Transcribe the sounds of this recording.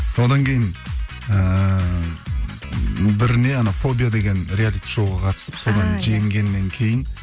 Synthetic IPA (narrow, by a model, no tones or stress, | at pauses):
so̞d̪ɑŋkʲʰe̞jɪn | ə | bɪɾɪne̞ɑnɑfo̞bʲijad̪e̞ɡʲe̞nɾʲealʲijt̪ʒ̥o̞lˠʁɑqʰɑt̪ə̥səpso̞d̪ɑnʒejɪŋɡʲe̞nːe̞ŋkʲʰe̞jɪn